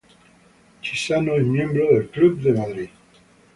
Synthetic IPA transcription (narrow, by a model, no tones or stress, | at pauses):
t͡ʃisanoemjɛ̃mbɾoðelklub̚d̪emad̪ɾi